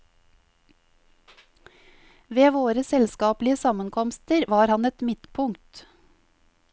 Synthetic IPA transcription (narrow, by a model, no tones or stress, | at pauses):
ʋeːʋoːɾəsɛlskɑːplɪəsɑmənkʰɔmst̪əɾʋɑːɾhɑnɛt̪mɪt̪pʰʊŋt̪